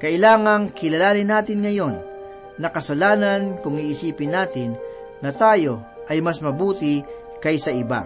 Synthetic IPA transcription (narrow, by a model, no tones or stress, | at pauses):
kɐɪlaːŋɐŋkɪlɐlaːnɪnaːt̪ɪnŋɐjo̞nː | ɐkɐsɐlaːnɐnkʊŋiʔːsiːpɪnːaːt̪ɪnː | ɐt̪aːjo̞ | ʔɐjmasmɐbuːt̪ɪ | kɐjsɐɪba̰